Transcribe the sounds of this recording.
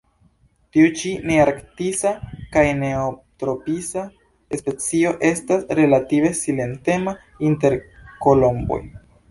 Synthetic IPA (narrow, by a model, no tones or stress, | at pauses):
tiut͡ʃineaɾktisakajne̞otɾo̞pisa | espe̞t͡sioʔe̞stasɾe̞lative̞sile̞nte̞ma | inte̞ɾko̞lo̞mbo̰j